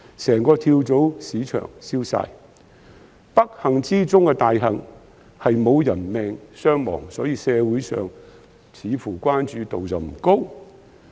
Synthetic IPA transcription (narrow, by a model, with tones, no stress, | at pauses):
sɛː˨˩ŋkɔː˧t̪ʰiː˧wt͡so˨˥wsiː˨˥t͡ʃʰœ̰ː˨˩ŋsiː˥wsa̰ː˧j | pɐ˥k̚hɐ˨˩ŋt͡siː˥t͡sʊ˥ŋkɛ˧t̪aː˨jɦɐ˨˩ŋ | hɐ˨jmo˨˧wjɐ˨˩nmɛː˨ŋsœː˥ŋmɔ̰ː˨˩ŋsɔ̰ː˨˥jiː˨˧sɛː˧wuː˨˥jsœ̰ː˨ŋ | t͡sʰiː˨˧fuː˨˩kʷaː˥nt͡ʃyː˨˧t̪o˨wt͡sɐ˨wm̩˨˩ko˥w